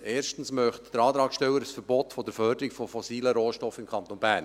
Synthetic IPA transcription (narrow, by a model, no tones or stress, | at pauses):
eːɾʃtən̩smœχt̪d̥əɾɑːt̪ɾɑːkʃtɛwəɾəsfəɾbɔt̪fɔd̪əɾfœrdəɾikfɔfɔsiːləɾoːʃtɔfɪmkʰχɑnt̪onbæːɾn